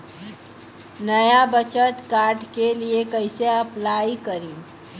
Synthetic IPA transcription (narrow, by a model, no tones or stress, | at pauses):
nəjabət͡ʃət̪kaːɾʈkeliekəɪseɐplaːikəɾĩ